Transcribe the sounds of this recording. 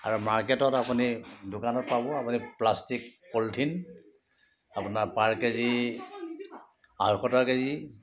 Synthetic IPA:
a̰ɹumaɹketɔtapunidʊkanɔt̚pabɔapuniplastikːoltʰin | apunaɹpaɹkezi | aɦɔxɔtakezi

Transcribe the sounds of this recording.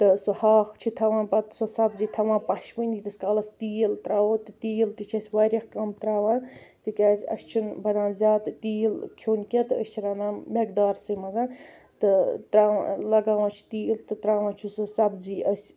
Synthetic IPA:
t̪ɨsɨhaːxt͡ʃʰit̪ʰɐʋãːnpɐt̪sosɐbziːt̪ʰɐʋãːpɐʃʋənʲit̪ɨsʲkaːlɐst̪iːlt̪ɾaːwoːt̪ɨt̪iːlt̪it͡ʃʰɐsʲwaːɾʲɐxkɐmt̪ɾaːʋãːnt̪ɨkʲaːsʲɐ̰st͡ʃʰunbʱɐnãːzʲaːt̪t̪iːlkʰoːnʲkʲet̪ɨəsʲt͡ʃʰiɾɐnãːmek̚d̪aːɾsɨmɐzãːn | t̪ɨt̪ɾaːʋã̰lɐɡaːʋãːt͡ʃʰu̥t̪iːlt̪ɨt̪ɾaːʋãːt͡ʃʰusɨsɐbziʔɐsʲ

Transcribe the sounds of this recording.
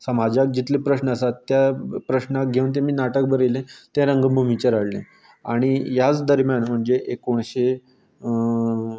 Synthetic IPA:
səmad͡ʑak̚d͡ʑit̪lepɾəɕnəəsat̪ːjapɾəɕnak̚ɡʱeuːnt̪̬ẽmiːnaʈək̚bəɾelẽt̪ɛ̃ɾəŋɡəbʱumit͡ɕaɾaɽlḛ̃ | aɽ̃ijat͡sd̪əɾmjanm̤əɳd͡zeʔekoɳ̃ɕe

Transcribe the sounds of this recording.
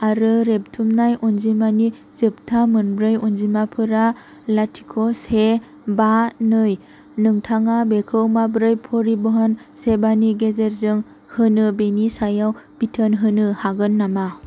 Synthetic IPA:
aɾɯɾep̚tʰumnajʔunzimani | zɯp̚tʰamɯnbɾɯjɔnzimapʰɯɾa | latʰi̥kʰɔse | banɯj | nɯŋtʰaŋabekʰɯwmabɾɯjpʰɔɾibɯɦansebaniɡezeɾzɯŋ | hɯnɯbenisajawb̥itʰənɦɯnɯhaɡɯnːama

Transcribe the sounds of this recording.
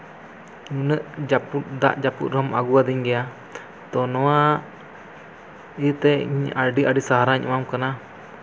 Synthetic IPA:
ɲunəʔd͡ʒaput̪d̪a̰ʔd͡ʒapṵt̪̚ɾɔma̰ɡuwad̪iɲɡɛja | t̪ɔnɔwa | it̪ɛiɲaɖiʔaɖisaɦaɾaɲʔṵmamkana

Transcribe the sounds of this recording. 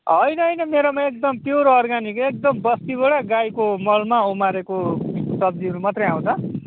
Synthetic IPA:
ɦʌjnʌɦʌjnʌmeɾomaek̚d̪ʌmpjuɾoːrɡanikek̚d̪ʌmbʌst̪iboɽaɡajkomʌlmaumaɾekosʌb̚d͡ziʌɾumat̪rʌjãw̃t͡s̪ʰʌ

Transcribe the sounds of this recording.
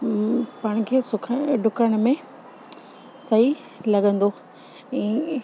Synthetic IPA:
pɐɽ̃kʰeːsʊkʰəɖʱʊkəɽ̃ʊmẽ | sɐɦi | lɐɠə̃nd̪o | ɛ̃ː

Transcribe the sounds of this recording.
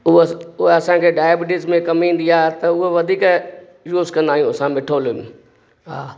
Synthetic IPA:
ʊɦʊɦeɐsãkʰeɖaːebɪʈɪsmẽkɐmĩːn̆d̪iaːɦt̪ɐʊɦeʋɐd̪ʱiːk | juːzkɐ̃nd̪aːɦijũɐsãmɪʈʰolm | ɦa̰ː

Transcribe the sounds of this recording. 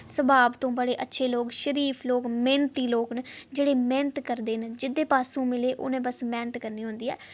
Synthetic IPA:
səbaːbt̪õːbəɽeːʔətːʃʰeːloːkʃəɾiːpʰloːkmẽːnt̪iːloːknd͡ʒeːɽeːmẽːnt̪kəɾd̪eːnd͡ʒɪd̪ːeːpaːsũːmɪleːʔo̰ːnẽːbəsmɛːnət̪kəɾniːɦʊ̃nd̪iːɦɛ̰ː

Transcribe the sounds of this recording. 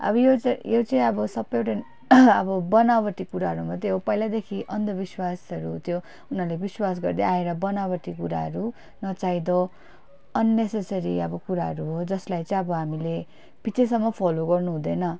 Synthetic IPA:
ʌ̰bʌjot͡sjot͡sʌĩʌbʌsʌbːʌjoʈa | ʌbʌbʌnabʌʈ̪ikuɾaɦʌɾumʌt̪eɦopʌjlad̪ekʰiʔʌnd̪ʌbiswasʌɾut̪jo | unʌrlebiswas̬ɡʌrd̪eaeɾʌbʌnabʌʈ̪ikuɾa̰ɦʌɾu | nʌt͡said̪ʌ | ʌnːesesʌɾiʌbʌkuɾaɦʌɾuɦod͡zʌslajt͡sʌĩʌbʌɦamile | bʱit͡sesʌmːʌpʰɔloɡʌrnuɦũd̪ʌnʌ

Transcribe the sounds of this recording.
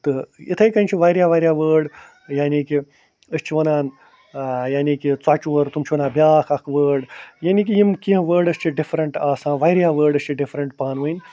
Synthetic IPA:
t̪ɨḭt̪ʰɐjkɐnʲt͡ʃʰiʋajɾʲjaːʋaːɾʲjaːʋəːɾɖ | jaːniːki | əst͡ʃʰiʋɐnaːn | jaːniːkit͡swat͡ʃːʋəɾt̪umt͡ʃʰiʋɐnãːbjaːkʰɐkʰʋəːɖjaːniːk̬ijimkiɦʋəːɾɖɐst͡ʃʰiɖifʰɾɐɳʈaːsãːʋajɾjaːʋəːɾɖɐst͡ʃʰiɖifʰɾɐɳʈpaːnʋɨin

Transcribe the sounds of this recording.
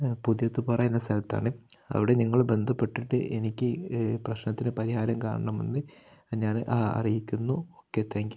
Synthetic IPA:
puðijɐt̪ːupɐrɐjenːɐst̪ʰɐlɐt̪ːa̰ːɳɨɐ̰ʋiɽe̞niŋːɐɭbe̞nd̪ʱɐpːe̞ʈːiʈːɨ̰ʔe̞nikʲːɨprɐɕnɐt̪ːinepɐɾiɦaːɾɐmkaːɳɐɳɐmḛnːɨɲaːnʔɐ̰rijikʲːunːuokːet̪ːaːŋɡi

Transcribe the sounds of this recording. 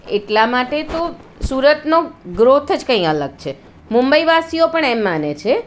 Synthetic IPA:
eʈlamaʈet̪o | suɾət̪noɡɾot̪ʰəd͡ʒkə̃ĩələɡt͡ʃʰe | mumbəiʋasiopəɳɛmːanet͡ʃʰe

